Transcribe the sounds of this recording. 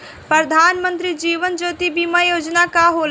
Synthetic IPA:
pɾəd̪ʱaːnmə̃nt̪ɾid͡ʒiːʋənd͡ʒoːt̪ibiːmajoːd͡ʒnakaɦoːl

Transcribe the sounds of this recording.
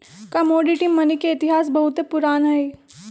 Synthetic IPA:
kɐmoːɖiʈimːɐnikːeɪt̪ɪɦaːs̬bɐɦʊt̪epʊɾaːnɦɐe

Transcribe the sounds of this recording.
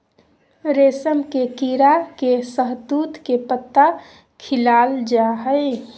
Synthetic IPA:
ɾeːsəmkekiɾakesəɦd̪uːt̪kepət̪ːa | kʰɪlaːld͡ʒaɦəɪ

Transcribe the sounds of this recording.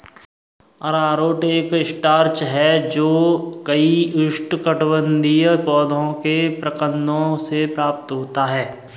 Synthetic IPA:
ɔɾaːɾoːʈeːkɪsʈaːɾt͡ʃɦɛd͡ʒoːkɐiʊʃʈkəʈwə̃nd̪ijəkɔːd̪ʱõkepɾɐkə̃nd̪õsepɾaːpt̪ɦoːt̪aɦɛː

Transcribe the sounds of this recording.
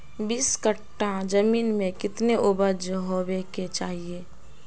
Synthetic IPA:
biːskəʈːãd͡ʒəmiːnmẽkɪt̪neʔʊbəd͡ʒɦobeket͡ʃaːɦieː

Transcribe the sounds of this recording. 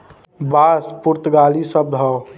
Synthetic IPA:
baːspuɾt̪ɡaːlisəb̚d̪ʱɔ

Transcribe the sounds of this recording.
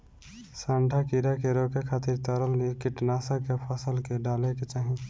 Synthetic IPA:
sãːɳɖʱakiɾakeɾokekʰaːt̪ɪɾt̪əɾəlnikɪʈnaːsakepʰəsəlkeɖaːleket͡ʃaːɦĩ

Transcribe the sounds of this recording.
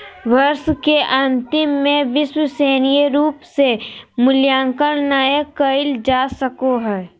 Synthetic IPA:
ʋɐɾʃkeʔɐ̃nt̪ɪmːẽʋɪʃwəseːnijəɾuːpsemʊljãːŋkəɽnaːekəɪld͡ʒaːsəkoɦɛː

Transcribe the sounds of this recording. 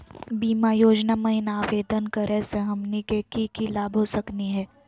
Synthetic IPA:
biːmajoːd͡ʒnamɐɦɪnaːʋeːd̪ənkəɾʔɛseɦɐmnikekikilaːbʱɦosɐkniɦɛː

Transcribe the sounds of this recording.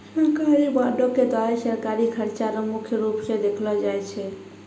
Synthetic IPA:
səɾkaɾibaɖoked̪aasəɾkaɾikʰəɾt͡ʃaɾəmukʰjəɾupsẽd̪ekʰlɔd͡ʒajt͡ʃʰɛ

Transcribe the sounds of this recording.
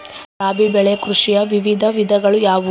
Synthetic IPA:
ɾaːbibɛɭekɾuʂijɐʋiʋid̪ʱɐʋid̪ʱɐɡɐɭujaːʋu

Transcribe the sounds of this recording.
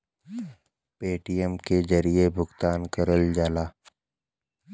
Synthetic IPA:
peːʈijəmkezəɾiebʱʊɡt̪aːnkəɾəld͡ʒaːlaː

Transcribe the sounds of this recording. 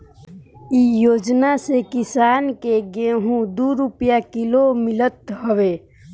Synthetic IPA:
ijoːd͡ʒnasekɪsaːnkeɡẽɦũd̪uɾupjakɪlomɪlət̪ɦəʋeː

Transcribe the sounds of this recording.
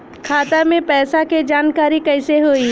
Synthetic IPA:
kʰaːt̪amẽpɛːsaked͡ʒaːnkaːɾikɛːseɦoːi

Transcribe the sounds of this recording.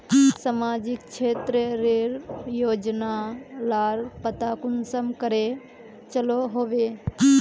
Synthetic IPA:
samaːd͡ʒɪkt͡ʃʰeːt̪ɾəɾeɾjoːd͡ʒnalaːɾpət̪akʊnsəmkəɾe | t͡ʃəloɦoːʋe

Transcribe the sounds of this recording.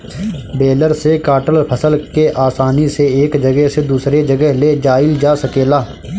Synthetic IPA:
beːləɾsekaːʈəlpʰəsəlkeʔaːsaːniseeːkd͡ʒəɡəɦsed̪uːsɾed͡ʒəɡəɦled͡ʒaːɪld͡ʒaːsəkeːlaː

